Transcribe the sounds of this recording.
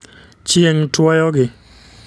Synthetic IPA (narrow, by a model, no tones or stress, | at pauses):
t͡ʃieŋtwajɔɡɪ